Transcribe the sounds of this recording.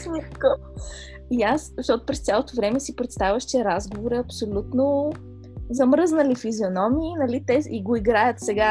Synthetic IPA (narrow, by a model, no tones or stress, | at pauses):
nʲikko | iaszəʃt̪ɔt̪o̥pɾɛst̪sʲjalˠot̪ovɾɛmɛsipɾɛt̪st̪avʲəʃt͡ʃɛɾazɡovoɾiɐpsolʲut̪no | zɐmɾɤznəlifizionɔmiːnɐlit̪ɛiɡoiɡɾajət̪sɛɡa